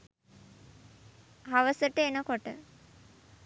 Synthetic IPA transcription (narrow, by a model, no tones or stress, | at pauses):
ɦaʋəsəʈəenəkoʈə̰